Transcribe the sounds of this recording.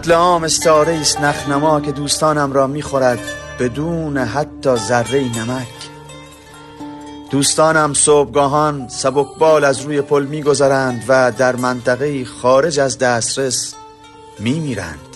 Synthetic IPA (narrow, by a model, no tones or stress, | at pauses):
t̪leɒːme̞st̪ːɾe̞iːst̪næχnæmɒːke̞d̪uːst̪ɒːnæmɾɒːmiːχoɾæd̪b̥e̞d̪uːneɦæt̪ʰːɒːzærːe̞iːnæmækʰ | d̪̥uːst̪ɒːnæmsoːb̚ɡɒːɦɒːnsæbokʰbɒːlæzɾuːje̞pʰolmiːɡo̞zæɾænd̪væd̪æɾmænt̪ʰæɣeiːχɒːɾe̞d͡ʒæzd̪æːst̪ɾe̞s | miːmiːɾæ̰nd̪̥